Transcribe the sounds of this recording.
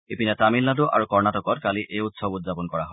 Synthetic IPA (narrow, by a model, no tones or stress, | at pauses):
epinɛtamilnaduʔa̰ɹukɔɹnatɔkɔtkaliʔejutsɔbutzapɔnkɔɹaɦɔ